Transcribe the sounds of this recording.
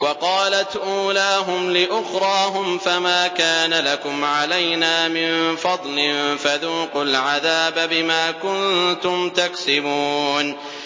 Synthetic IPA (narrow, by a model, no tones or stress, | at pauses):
wɑqɑːlat̪ʔuːlaːɦʊmlɪʔʊxɾˤɑːɦʊmfamaːkaːnalakʊmʕalajnaːmɪnfɑd̪ˤlɪnfaðuːqʊlʕaðaːbabɪmaːkʊnt̪ʊmt̪aksɪbuːn